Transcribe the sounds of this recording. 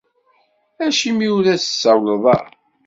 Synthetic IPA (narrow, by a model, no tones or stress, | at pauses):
æʃimiuɾæsə̥sːæwləðˤɑ̰